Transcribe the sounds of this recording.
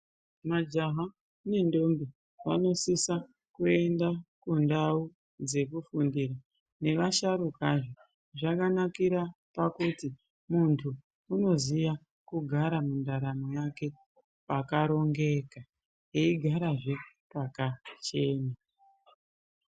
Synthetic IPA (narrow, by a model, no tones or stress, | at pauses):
mad͡ʒaɦa | ne̞ndo̞mbi | ʋa̰no̞sisa | kue̞ndakundau | d͡ze̞kufundiɾa | ne̞ʋaʃaɾukaʐo | ʐakanakiɾapakuti | muntʰuː | no̞zija | kuɡʱaɾamundaɾamojake̞ | pakaɾo̞ŋɡe̞ka | jeiɡʱaɾaʐe | pakat͡ʃe̞ːna